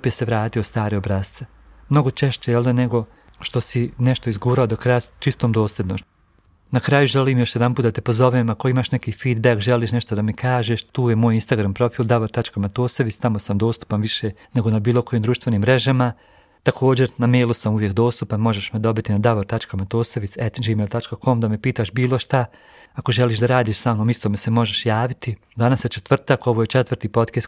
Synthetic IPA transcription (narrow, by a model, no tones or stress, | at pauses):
pjese̞ʋɾaːt̪ijost̪aːɾeobɾaːst̪se | mno̞ɡot͡ʃeʃt͡ɕejelineɡo̞ | ʃt̪o̞sineʃt̪oizɡuːɾaod̪okɾajat͡ʃist̪omd̪o̞ːsled̪no | nakɾaːjuʒeliːmjo̞ʃjed̪anpuːt̪d̪at̪epo̞zo̞ʋemakoimaʃnekiːfiːd̪bakʒeliːʃneʃt̪od̪amikʰaːʒeːʃt̪uːjemoːjinst̪aɡɾampɾo̞fiːlˠd̪aʋoɾt̪at͡ʃkamat̪oːsoʋist̪amosamd̪o̞ːst̪u̥panʋiʃe̞ | ne̞ɡo̞nabiːlˠo̞ko̞jimd̪ɾuːʃt̪ʋe̞niːmːɾeʒama | t̪akʰo̞ːd͡ʑe̞ɾname̞ːjlˠusamuʋjekd̪o̞ːst̪upanmo̞ʒeʃmed̪o̞bit̪inad̪aʋoɾt̪at͡ʃkamat̪oːseʋit̪set̪d͡ʒiːmelt̪at͡ʃkakʰo̞md̪amepiːt̪aʃbiːlˠo̞ʃt̪a | ako̞ʒeliːʃ̬d̪aɾaːd̪iːʃsaːnoːmist̪oːmese̞mo̞ʒeʃjaːʋit̪i | d̪anasjet͡ʃet̪ʋr̩t̪ako̞ʋoje̞t͡ʃet̪ʋrɾt̪iːpo̞t̪kest̪